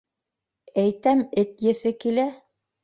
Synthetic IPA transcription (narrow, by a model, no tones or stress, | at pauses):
æjt̪æmɘt̪jɘ̆θɘkilæ